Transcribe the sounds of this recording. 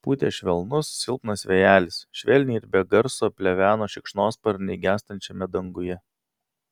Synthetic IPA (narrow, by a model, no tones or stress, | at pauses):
puːt̪ʲeːʃʲʋʲɛlˠnʊssʲɪlˠpnɐsʋʲɛjæːlʲɪsʃʲʋʲɛlʲnʲiːɪɾbʲɛɡɐɾsoːpʲlʲɛʋʲæːnoːʃʲɪkʃnoːspɐɾʲnʲɛɪɡʲæːst̪ɐnʲt͡ʃʲɛmʲɛd̪ɐŋɡʊjɛ